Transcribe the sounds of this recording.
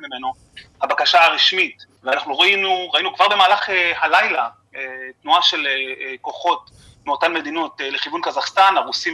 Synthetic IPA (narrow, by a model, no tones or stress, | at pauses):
mimeno | habakaʃaaʁiʃmitveanaχnuʁainuʁainukvaʁbe̞maːlaχehalajla | etnuaʃe̞leko̞χo̞t̚ | meotanme̞d̪inoteleχivunkazaχst̪anaʁusim